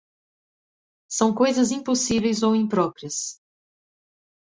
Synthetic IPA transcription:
sɐ̃w̃kojzɐzĩposivejzowĩpɾɔpɾiɐs

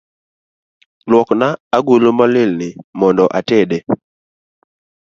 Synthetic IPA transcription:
lwɔknaːɡulomalɪlnɪmɔndɔʔatɛɗe

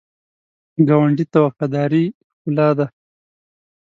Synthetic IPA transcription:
ɡawaɳɖit̪awafad̪ɑːɾi | kʊlɑd̪a

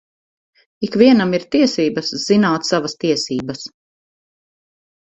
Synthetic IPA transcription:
ikviɛnamiɾt̪iɛsiːbɐsz̥inaːt̪savɐst̪iɛsiːbɐs

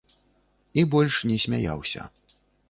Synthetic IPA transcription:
ibɔlʲʂnʲɛsʲmʲaja̰wsʲɐ̰

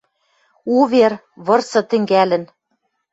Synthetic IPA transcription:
uβeɾ | βɤ̆rsɤ̆t̪ɘ̆ŋɡælɘ̆n

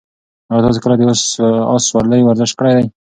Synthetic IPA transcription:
awat̪ɑs̬ekəlad̪eosɑ̰swaɾləjwaɾzɪʃt̚kəɽajd̪aj

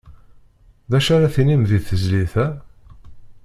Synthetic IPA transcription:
ðæʃaɾaθinimðiθəzliθæ

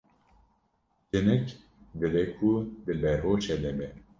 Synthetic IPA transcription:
d͡ʒɨnɛk | d̪ɨbɛkʰud̪ɨbɛɾɦoːt͡ʃɛd̪ɛbɛ

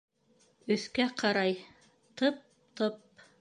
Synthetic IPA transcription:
ɵ̆θkæqɑɾɑj | t̪ɤp̚ | t̪ɤp̚

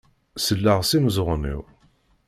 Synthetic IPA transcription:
səlːəʁsimzˤʁnḭw

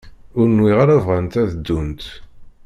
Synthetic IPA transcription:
ʊɾnwiʁaɾavʁant̪æðəd̪ːunt̪

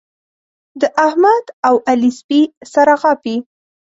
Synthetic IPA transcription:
d̪əʔahmad̪awʔalɪsbisaɾaɣɑpi

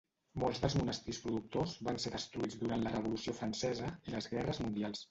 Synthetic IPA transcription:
molˠzðəlzmunəst̪ispɾuðuk̚t̪ozβanseðəst̪ɾuid͡zðuɾant̪lərəβulusiofɾənsɛzəiləzɣɛrəzmund̪ialˠs

